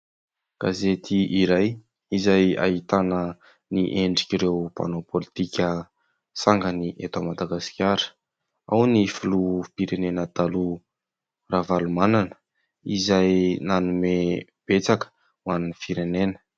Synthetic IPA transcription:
ɡ̥azet̪ʰiʔiɾaj | izaja̰ɦit̪anə | niʔeɳɖ͡ʐikʲiɾewpa̰nopʰolit̪ikʲə | saŋɡəniʔet̪amad̪aɡasi̥kʲaɾə̥ | awnifulupiɾenenəd̪̥alu | ravalumananə̥ | izajnanume | b̥et͡sakə̥ | mwannifiɾenenə̥

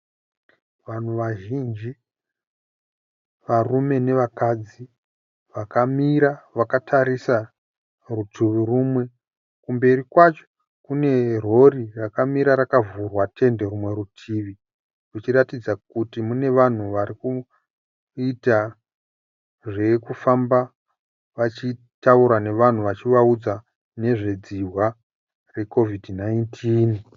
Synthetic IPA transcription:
ʋan̤uʋaʒind͡ʒi | ʋarume̞ne̞ʋakad͡zi | ʋakamiɾaʋakatʰaɾisa | rutʰuʋirumwe̞ | kumbe̞ɾikwat͡ʃo̥ | kune̞r̤o̞rirakamiɾaɾakavurwate̞nde̞ɾumwe̞ɾutʰiːʋi | rut͡ʃiratid͡zakutimune̞ʋan̤uʋaɾiku | ita | ʐe̞kufamba | ʋat͡ʃi | tauɾane̞ʋan̤uʋat͡ʃiʋaud͡za | ne̞ʐe̞d͡ziɦwa | re̞ko̞vidnaintʰiːn

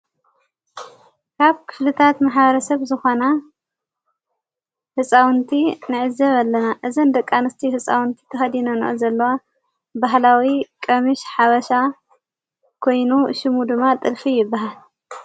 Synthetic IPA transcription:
kʰaβkʰɨ̥flɨt̪ʰat̪maħbɐɾɐsɐβzɨxona | hɨsʼawɨnt̪ʰinɨʕɨzɐβalːɐnaʔɨzɨnd̪ɐkʼːanɨst̪ʰihɨsʼawɨnt̪ʰi̥t̪ʰɐxɐd̪inonɨ̰ʔɨzɐlːɐwa | baɦlawikʼɐmiʃħaβɐʃa | kʰo̞jnuʃɪmud̪ɨmːat̪ʼɨlfijɪbːaɦal

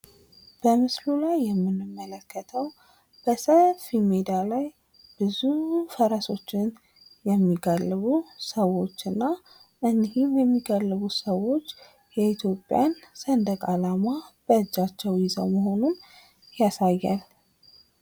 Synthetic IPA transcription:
b̥əmɨslulajːɛmːɨnɨmːələkːət̪ʰəw | b̥əsəlfimed̪alaj | b̥ɨzufəɾəso̞t͡ʃːɪn | jɛmːiɡalːβusəwo̞t͡ʃːɨnːa | ʔɨnːihimjɛmːiɡalːɨβusəwo̞t͡ʃː | jɛit̪ʰjo̞pʼːja̰nsənd̪əkʼalamab̥əɨd͡ʒːat͡ʃːɛwjɪzəwməɦo̞nun | jasajːa̰l

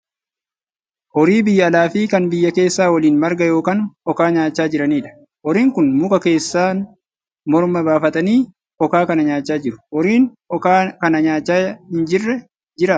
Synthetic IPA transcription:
ʔɔɾiːbɪjːɐːlaːfiːkɐnbɪjːɐke̞ːsːaːwɐliːnmɐɾɡɐjo̞ːkɐnɔkaːɲaːt͡ʃːaːd͡ʒɪɾɐniːᶑɐ̥ | ʔɔɾiːŋkʊnmʊkʼɐke̞ːsːaːn | mɔɾmɐbaːfɐt̪ɐniː | ɔkaːkɐnɐɲaːt͡ʃːaːd͡ʒɪɾʊ̥ʔɔɾiːn | ɔkaːkɐnɐɲaːt͡ʃːaːhɪnd͡ʒɪrːɛ | d͡ʒɪɾa

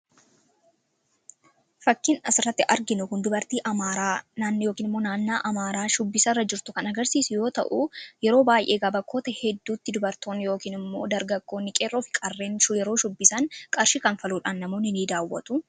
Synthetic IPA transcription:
fɐkːɪnɐsɪrːɐt̪ːɪʔɐɾɡɪnʊkʊnd̪ʊbɐɾt̪iːʔɐmaːɾaːnaːnːɪjo̞ːkiːnɪmːo̞ːnaːnːaːʔɐmaːɾaːʃʊbːɪsɐrːɐd͡ʒɪɾt̪ʊkɐnɐɡɐɾsiːsʊjo̞ːt̪ɐ̰ʔujɛɾo̞ːbaːjʔe̞ːɡɐbɐkʰːo̞ːt̪ɐhɛd̪ːuːt̪ːɪd̪ʊbɐɾt̪o̞ːnːɪjo̞ːkiːnɪmːo̞̰ːd̪ɐɾɡɐɡːo̞ːnɪkʼeːrːo̞ːfɪ̥kʼɐrːe̞ːnʃʊjɛɾo̞ːʃʊbːɪsɐŋkʼɐɾʃɪkɐnfɐluːᶑanːɐmoːnːɪniːd̪aːwːɐ̰t̪ʊ

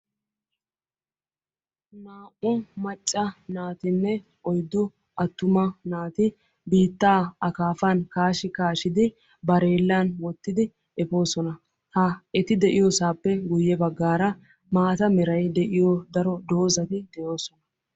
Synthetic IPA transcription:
naːʔʊmɐt͡ʃʼːɐnaːt̪ɪnːɛ | ʔɔjd̪ːʊ | ɐt̪ːʊmɐnaːt̪ɪ | biːt̪ːaːɐkaːfɐnkaːʃɪkaːʃɪd̪ɪ | bɐɾe̞ːlːanwɔt̪ːɪd̪ɪ | ɛfo̞ːsɔnɐ | hɐɛt̪ɪd̪ɛʔɪjɔsaːpːɛɡʊjːɛbɐɡːaːɾɐ | maːt̪ɐmɛɾɐjd̪ɛʔɪjɔd̪ɐɾɔd̪o̞ːzɐt̪ɪd̪ɛjo̞ːsɔnɐ

